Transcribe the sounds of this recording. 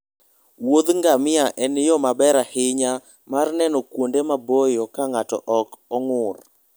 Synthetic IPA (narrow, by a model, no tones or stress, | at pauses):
wod̪ŋɡamɪaʔɛnjɔmabɛɾahɪɲa | marnɛnɔkwondemabojɔkaŋatɔ̰ʔɔkɔŋʊr